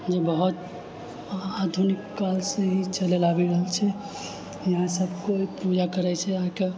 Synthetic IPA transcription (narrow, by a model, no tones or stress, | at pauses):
d͡ʒebəɦut̪̚ | ad̪ʱunikːalsẽɦit͡ʃəlelabiɾəɦəlt͡ʃʰɛ | jəɦãsəbkoipud͡ʒakəɾɛt͡ʃʰɛake